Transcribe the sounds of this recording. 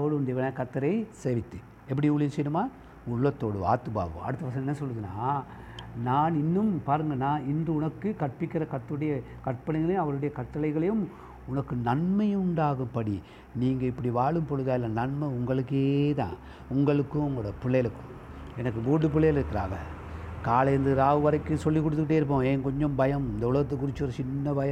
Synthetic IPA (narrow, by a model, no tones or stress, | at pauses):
ɐʋɐɭɯʊnd̪ɐʋɐnɐkɐt̪ːɐɾɐɪseːʋɪt̪ːɯ | ɛpːɐɽiʊɭɪjsɛjɾɯmaː | ʊɭːɐt̪ːoːɽɯa̰ːt̪ːɯba̰ːʋɯ̰̃ɐ̰ɽɯt̪ːɐʋɐs̬ɐnɐɛnːɐsɔlːɯðɯnːaː | naːnɪnːɯmpaːɾɯŋɡɐnːaːɪndrɯʊnɐkːɯkɐʈ̚pɪkːɪɾɐkɐt̪ːɯɽɐjɐ | kɐʈpːɐlɐɣɡɐɭɐj̃ɐʋɐɭɯɽɐjɐkɐʈʈːɐlɐɪɣɐɭɐjɯm | ʊnɐkːɯnɐɳmɐjɯ̃ʊɳɖaːɣɯmpɐɽi | niːŋɡɐɪpːɐɽiʋaːɭɯmpɔɻɯðaːjɪlːɐnɐɳmɐʊŋɡɐɭɯkːeːt̪ã̰ː | ʊŋɡɐɭɯkːɯ̃ʊŋɡɐɽɐɐpɪɭːɐjɐlɯkːɯ̥̃ | ɛnɐkːɯbuːɽɯp̬ɪɭːɐjlɪɾɯkːɪɾa̰ːɣɐ | kaːlɐɾɯnd̪ɯɾaːʋɯʋɐɾɐɪkːɯ̃sɔlːikːɔɽt̪ːɯkːɪʈːeːɪɾɯp̬ːõːeːnkɔɲd͡ʒɔ̃mbɐjɐmɪnd̪ɐʊɭɐɣɐt̪ːɐkːʊɾɪt͡ʃːɯɔɾɯt͡ʃɪnːɐbɐjɐ̃